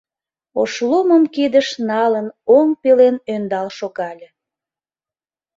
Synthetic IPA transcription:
oʃloməmkid̪əʃnɑlənoŋpelenønd̪ɑlʃoɣɑlʲe

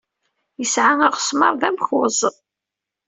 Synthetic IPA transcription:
jəsʕaŋəʁsmɑ̰ɾˤðæmxʊzˤ

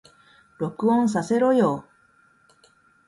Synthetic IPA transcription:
ɾo̞kɯ̟õñs̬ase̞ɾo̞joː

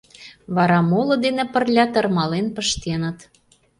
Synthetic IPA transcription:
βɑɾɑmolɤ̆d̪enĕpə̆rlʲɑt̪ə̆rmɑlenpə̆ʃt̪enə̆t̪

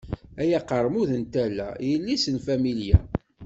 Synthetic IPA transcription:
æjæqəɾˤmuðənt̪ælːæ̰jəlːisənfæmiljæ̰

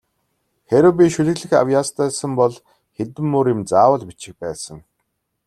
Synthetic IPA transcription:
xeɾɘ̆wp̬ʲiʃɵɮɘ̆ɣɮɘ̆xa̰wjaːst̪ʰæːsə̆mpɔɮ | xet̪ɘ̆mːʊɾjɪ̆mt͡saːwə̆ɮpit͡ɕɪ̆k̚pæːsə̆ŋ

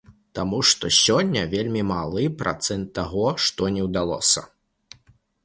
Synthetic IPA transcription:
t̪amuʂt̪ɔsʲɔnʲːɐvʲelʲmʲimalˠɨpɾʔa̰t̪sɛnt̪ːaɣɔʂt̪ɔnʲɛwd̪alˠɔ̰sɐ

